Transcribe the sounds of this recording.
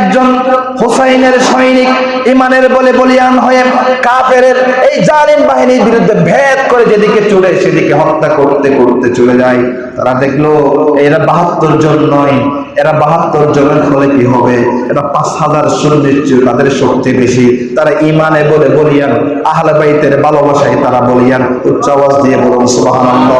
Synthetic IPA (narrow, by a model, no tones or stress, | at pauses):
ɛk̚d͡ʑon | hosajneɾʃɔjnik | imaneɾbolebolijanɦɔjekapeɾeɾ | ejd͡ʑanimbaɦiniɾbiɾud̪ʱːebʱet̪koɾed͡ʑed̪iket͡ɕuɽeʃed̪ikeɦɔt̪ːakoɾt̪ekoɾt̪et͡ɕuɽed͡ʑaj | t̪a̰ɾad̪ekʰloejɾabaɦat̪ːoɾd͡ʑonːɔj | eɾabaɦat̪ːoɾd͡ʒonekʰolekiɦɔbeɛʈapãshazaɾʃuɾnit͡ʃut̪ad̪eɾʃoɾt̪ibeʃit̪aɾaʔimanebolebolijan | aɦalebajt̪eɾbalobaʃaket̪aɾabolijan | utːt͡ʃabasd̪iebɔlonsubaɦanɔnːɔ